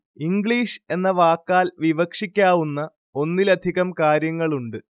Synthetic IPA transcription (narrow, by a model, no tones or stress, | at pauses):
iŋɡɭiːʂe̞nːɐʋaːkːaːlʋiʋɐkʂikʲːaːʋunːɐ | o̞nːilɐd̪ʱiɣɐmkaːɾjɐŋːɐɭuɳɖɨ